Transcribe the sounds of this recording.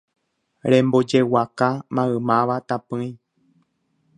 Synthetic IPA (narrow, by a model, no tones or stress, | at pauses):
ɾẽ̞mbo̞d͡ʒe̞wakamãɨ̃mãʋat̪apɨĩ